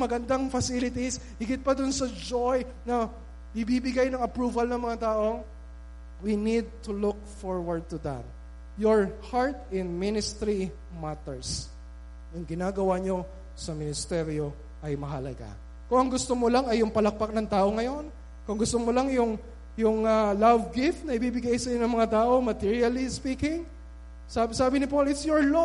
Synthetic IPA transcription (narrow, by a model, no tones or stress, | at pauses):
mɐɡɐnd̪aŋfɐsilɪt̪is | hɪɡɪt̪̚pɐd̪ʊnsɐd͡ʒoj | nɐ | ʔɪbibɪɡajnɐŋɐpɹuːvɐlnɐŋmɐŋat̪aːʔo̞ | winid̪̚t̪ʊlʊk̚foɹwɐɹd̪̚t̪ʊd̪ɐ̰t̪ | joɹhaɹt̪ɪ̃nmɪnɪst̪ɾi | mat̪ɛɹs | jʊŋɡɪnaːɡɐwaɲo̞ | sɐmɪnɪst̪ɛɾjo̞ | ʔɐjmɐɦɐlɐɡa̰ | kʊŋɐŋɡʊst̪omolaŋɐjːʊŋpɐlɐk̚pak̚nɐŋt̪aːʔo̞ŋɐjo̞n | kʊŋɡʊst̪omolaŋjʊŋ | jʊŋalavɡɪft̪̚nɐɪbibɪɡajsɐjonɐŋmɐŋat̪aːʔo̞mɐt̪iɹiɐlispiːkɪŋ | sabsaːbɪnɪpolɪt̪sjɔɹlo